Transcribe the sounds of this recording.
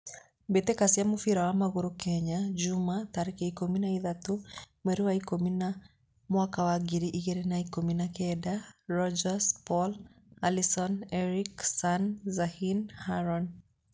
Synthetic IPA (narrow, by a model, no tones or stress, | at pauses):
betekasiamufiɾawamaɣuɾukɛɲad͡ʒumataɾikeikominaiðatumɛɾiwaikomina | mwakawaɡiɾiʔiɣeɾenaikominakɛdarɔd͡ʒaspɔl | alisɔnɛɾiksanzahinhaɾɔn